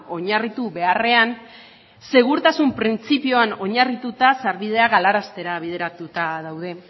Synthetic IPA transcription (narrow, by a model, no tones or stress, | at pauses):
o̞ɲarit̪uβe̞are̞an | se̞ɣ̞uɾt̪asumpɾint͡sipio̞ano̞ɲarit̪ut̪asaɾβið̞e̞aɣalaɾast̪e̞ɾaβ̞iðe̞ɾat̪ut̪aðawð̞e̞